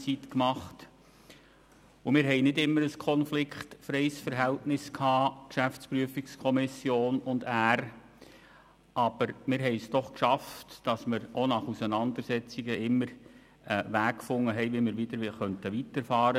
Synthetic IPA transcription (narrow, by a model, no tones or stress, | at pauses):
t͡sitkmɑχt | ʊmɪːɾɦɛɪnɪdɪmːəɾəskʰɔnflɪkχtfɾɛɪsfəɾɦɛltnɪskʰhɑːkʃæft͡spryːəfikskʰɔmɪsjoːnʊndæːr | ʔɑb̥əɾmɪɾɦɛɪsd̥ɔχkʃɑftd̥ɑsmɪɾonɑχusənɑnd̪əɾsɛt͡siɡəɪmːəɾ | ʋæːkkfʊŋːəɦɛɪʋimɪːɾʋidəɾχœntəʋitəɾfɑːɾə